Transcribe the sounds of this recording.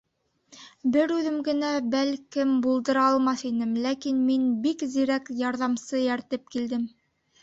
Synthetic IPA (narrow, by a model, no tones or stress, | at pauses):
bɘɾʉðɘmɡɘ̆næbælkɘmbulˠd̪ɤ̆ɾɑɑlˠmɑθinɘmlækinminbikziɾækjɑɾðɑmsɤjæɾt̪ɘp̚kild̪ɘm